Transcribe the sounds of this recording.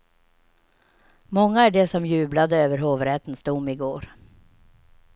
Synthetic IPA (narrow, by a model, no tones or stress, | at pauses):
mɔŋːaæɖɛsɔmjʉ̟ːblad̪əøːvəɾɦoːvɾɛt̪ənsd̪ʊmːɪɡoːɾ